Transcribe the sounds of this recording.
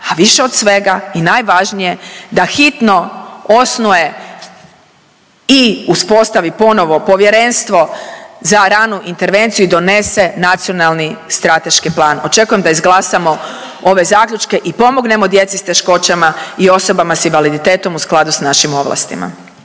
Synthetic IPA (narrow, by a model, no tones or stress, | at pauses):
aʋiʃe̞o̞d̪sʋe̞ɡainajʋaʒnije̞d̪axit̪no̞o̞snuje̞ | iuspo̞st̪aʋipo̞no̞ʋo̞po̞ʋjeɾe̞nst̪ʋo̞zaɾanuʔint̪e̞ɾʋe̞nt̪sijuid̪o̞ne̞se̞nat̪sijo̞nalˠnist̪ɾat̪e̞ʃkiplˠaːno̞t͡ʃe̞kujemd̪aizɡlˠasamo̞ | o̞ʋe̞zaːkʎʲut͡ʃke̞ʔipo̞moɡne̞mo̞d̪je̞t̪sist̪e̞ʃko̞t͡ɕamaio̞so̞bamasinʋalid̪it̪e̞ːt̪o̞musklˠad̪usnaʃimo̞ʋla̰st̪ḭma̰